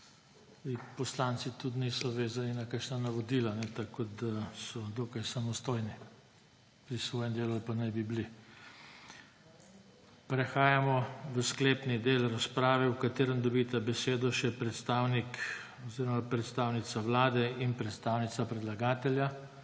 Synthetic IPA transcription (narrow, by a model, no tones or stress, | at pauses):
ipɔslant̪sit̪ut̪nisɔʋeːzaninakakʃnanaʋɔd̪iːlanɛt̪akod̪asɔd̪oːkajsamɔst̪ojni | pɾisʋoːjɛmd̪eːlulpanajbibli | pɾɛxaːjamɔʋəskleːpnid̪eːlɾaspɾaːʋɛukat̪eːɾəmd̪ɔbit̪abɛseːd̪ɔʃɛpɾɛt̪st̪aːwnik | ɔziɾɔmapɾɛt̪st̪aːwnit̪saʋlaːd̪ɛinpɾɛt̪st̪aːwnit̪sapɾɛd̪laɡaːt̪ɛlja